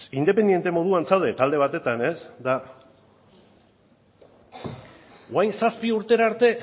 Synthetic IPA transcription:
ind̪e̞pe̞nd̪je̞nt̪e̞mo̞ðuant͡sawðe̞t̪ald̪e̞β̞at̪e̞t̪ane̞sd̪a | oajnsaspiuɾt̪e̞ɾaɾt̪e̞

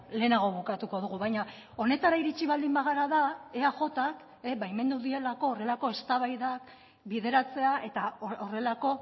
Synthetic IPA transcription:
le̞ːnaɣ̞o̞βukat̪uko̞ð̞uɣuβajɲa | o̞ne̞t̪aɾaiɾit͡ʃiβald̪imbaɣaɾaðaeaʝo̞t̪ak | eβajme̞nd̪uðie̞lako̞ːre̞lako̞e̞st̪aβajðak | biðe̞ɾat͡se̞aʔe̞t̪aoore̞lako̞

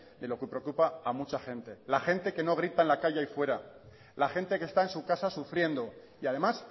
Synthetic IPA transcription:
d̪e̞lo̞kupɾeokupaːmut͡ʃaxẽ̞nt̪e̞laxe̞nt̪e̞ke̞no̞ɣ̞ɾit̪aenlakaʝaifwe̞ɾa | laxe̞nt̪e̞ke̞st̪aensukasasufɾje̞nd̪o̞ | iað̞e̞mas

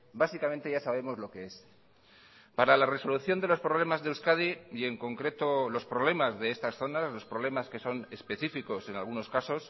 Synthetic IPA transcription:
basikament̪eʝasaβe̞mo̞zlo̞ke̞e̞s | paɾalare̞so̞luθjo̞nd̪e̞lo̞spɾoβ̞le̞mazðewskað̞ijeŋko̞ŋkɾe̞t̪olo̞spɾo̞β̞le̞mazðe̞est̪asθo̞nazlo̞spɾo̞β̞le̞maske̞so̞ne̞spe̞θifiko̞se̞na̰lɣuno̞skaso̞s

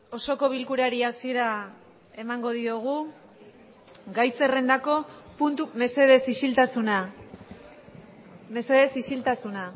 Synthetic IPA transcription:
o̞so̞ko̞β̞ilkuɾaɾiasie̞ɾa | e̞maŋɡo̞ðioɣ̞u | ɡajse̞re̞nd̪ako̞punt̪ume̞se̞ð̞e̞sisilt̪asuna | me̞se̞ðe̞sisilt̪asuna

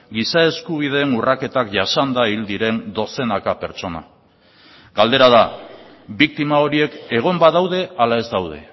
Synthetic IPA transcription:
ɡisae̞skuβ̞iðe̞ːnurake̞t̪akʝasand̪aild̪iɾe̞nd̪o̞se̞nakape̞ɾt͡ʃo̞na̰ | ɡ̥ald̪e̞ɾað̞a | bik̚t̪imao̞ɾie̞ke̞ɣ̞o̞mbaðawð̞e̞alae̞zd̪awð̞e̞̰

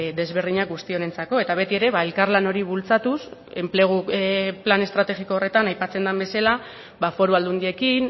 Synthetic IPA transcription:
d̪e̞zβe̞ɾðiɲakɡust̪io̞ne̞nt͡sako̞e̞t̪aβ̞e̞t̪ie̞ɾe̞βae̞lkaɾlano̞ɾiβult͡sat̪use̞mple̞ɣ̞uplane̞st̪ɾat̪e̞ɣiko̞ːre̞t̪anajpat͡se̞nd̪ambe̞sala | bafo̞ɾuald̪und̪ie̞kin

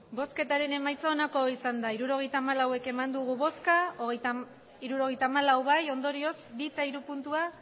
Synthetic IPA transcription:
bo̞ske̞t̪aɾe̞ne̞majt͡soːnako̞isand̪aiɾuɾo̞ɣe̞jt̪aːmalawe̞ke̞mand̪uɣ̞uβo̞skaoɣ | iɾuɾo̞ɣ̞ejt̪aːmalawβajo̞nd̪o̞ɾio̞sbit͡saiɾupunt̪ua

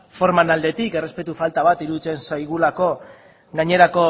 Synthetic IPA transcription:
fo̞ɾmanald̪e̞t̪ike̞re̞spe̞t̪ufalt̪aβat̪iɾuðit͡se̞nsajɣulako̞ | ɡaɲe̞ɾako̞

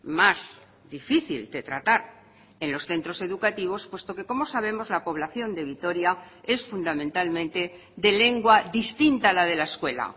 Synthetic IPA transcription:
maz | d̪ifiθḭld̪e̞t̪ɾa̰t̪aɾ | e̞nlo̞sθe̞nt̪ɾo̞se̞ðukat̪iβ̞o̞spwe̞st̪o̞ke̞ko̞mo̞saβe̞mo̞zlapo̞β̞laθjo̞nd̪e̞βit̪o̞ɾjae̞sfund̪amẽnt̪almẽ̞nt̪e̞ | d̪e̞le̞ŋɡwaðist̪int̪alað̞e̞laeskwe̞la̰

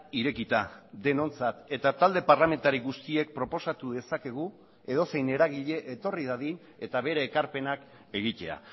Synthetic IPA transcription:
iɾe̞kit̪ad̪e̞no̞nt͡sat̪e̞t̪at̪ald̪e̞paɾlame̞nt̪aɾiɣust̪ie̞k̚pɾo̞po̞sat̪uðe̞sake̞ɣ̞u | e̞ðo̞se̞jne̞ɾaɣiʎe̞ʔet̪o̞riðaðin | e̞t̪aβe̞ɾeːkaɾpe̞nak | e̞ɣ̞it̪e̞a̰

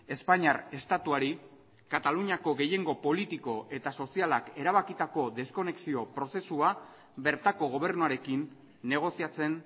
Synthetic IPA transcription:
e̞spaɲaɾe̞st̪at̪uaɾi | kat̪aluɲako̞ɣe̞je̞ŋɡo̞po̞lit̪iko̞ʔe̞t̪aso̞sialake̞ɾaβ̞akit̪ako̞d̪e̞sko̞ne̞ksio̞pɾo̞se̞sua | be̞ɾt̪ako̞ɣ̞o̞β̞e̞ɾnuaɾe̞kinː | e̞ɣ̞o̞siat͡se̞n

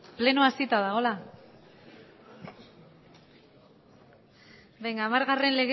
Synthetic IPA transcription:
plenuasit̪aðaɣ̞o̞la | bejŋɡaːmaɾɣare̞nle̞ɣ

